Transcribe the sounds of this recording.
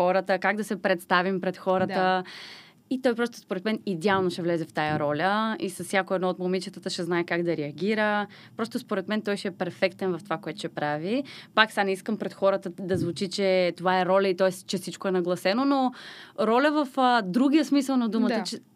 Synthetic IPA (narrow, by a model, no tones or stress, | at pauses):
xɔɾət̪əkaɡd̪ɐsɛpɾɛt̪st̪avimpɾɛt̪xɔɾət̪ə | it̪ɔjpɾɔst̪o̥spoɾɛt̪mɛnid̪ɛalˠnoʃɛvlɛzɛft̪ajɐɾɔlʲəisɐsːjakoɛd̪nɔot̪momit͡ʃət̪ət̪əʃɛznaɛkaɡd̪ɐɾɛɐɡ̟iɾə | pɾɔst̪ospoɾɛt̪mɛnt̪ɔjʃɛːpɛɾfɛkt̪ɛnvɐft̪ovakoɛt̪ʊ̥ʃɛpɾavipaksanɛiskəmpɾɛt̪xɔɾət̪əd̪ɐzvut͡ʃit͡ʃɛt̪ovaɛɾɔlʲəit̪ɔɛst͡ʃɛfsit͡ʃkoɛnɐɡlˠɐsɛnonoɾɔlʲəvɐfəd̪ɾuɡʲijəsmisəlˠnɐd̪umət̪ət͡ʃɛ